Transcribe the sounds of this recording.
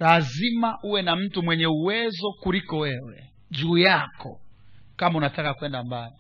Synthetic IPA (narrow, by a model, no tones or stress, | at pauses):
lazimaʔuwɛnam̩tumwɛɲɛuwɛzɔkulikɔwɛwɛ | d͡ʒuːjakɔ̰kamaunatakakuwɛndambali